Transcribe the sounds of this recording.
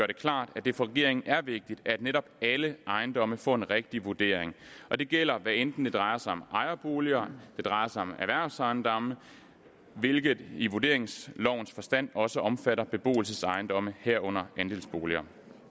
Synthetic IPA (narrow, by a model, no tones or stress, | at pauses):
ɡ̥ɶɐɾ̥e̝kʰlɑ̰̈ːd̥æd̥e̝fɒ̽ʁɛɡ̥e̝̰ɐ̰eŋn̩ʔæɐʋe̝ɡ̥̚d̥id̥æd̥neɾɒ̽b̥æləʔɑ̈ɪnd̥ɒ̽məfɒ̰ːe̝nʁeɡ̥̚d̥iʋuɐd̥e̝̰ɐ̰eŋʔɒ̽d̥e̝ɡ̥el̰ɐʋæend̥n̩d̥e̝d̥ʁɑ̈ɪɐsɑ̈ɪɒ̽mʔɑ̈ɪɐb̥o̝ːliɐd̥e̝d̥ʁɑ̈ɪɐsɑ̈ɪɒ̽mæʋæɐ̰sɑ̈ɪnd̥ɒ̽mə | ʋe̝lɡ̥ðˠiʋuɐd̥e̝ɐ̰eŋslɒʊ̰n̩sfɒ̽sd̥æn̰ɒ̽səʔɒ̽mfæɾɐb̥e̝b̥o̝̰ːl̩səsɑ̈ɪnd̥ɒ̽məhæɐ̰ɔ̽n̰ɐænd̥e̝ːlsb̥o̝ːliɐ